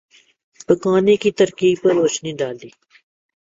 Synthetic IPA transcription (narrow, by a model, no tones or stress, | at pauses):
pəkaːnẽːkit̪əɾkiːbpəɾoːt͡ʃnĩːɖaːld̪iː